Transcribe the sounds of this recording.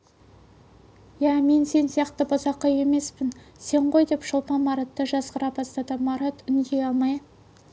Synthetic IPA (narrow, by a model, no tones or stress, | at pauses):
jæme̞nse̞nsijɑqt̪əbozɑqːɑje̞me̞spɪn | se̞ɴqo̞jd̪e̞pʃəlˠpɑnmɑɾɑt̪ːəʒɑzqəɾɑbɑst̪ɑd̪əmɑɾɑt̪ʏŋɡ̪e̞jɑlˠmɑj